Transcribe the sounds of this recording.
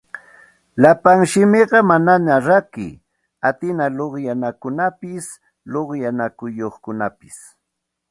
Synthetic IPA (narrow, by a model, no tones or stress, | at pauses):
lapaŋʃɪmeɢɑmananaɾakɪ̰ | at̪ɪnaloχjanakʊnapɪs | loχjanakʊjoχkʊnapɪs